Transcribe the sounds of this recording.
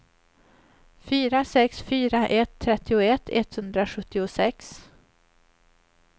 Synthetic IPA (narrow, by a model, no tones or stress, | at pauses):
fyːɾasɛksfyːɾaʔɛt̪ʰːɾɛt̪ːɪʊɛt̪ʰːɛt̪hɵnd̪ɾaɧɵt̪ːɪʊsɛks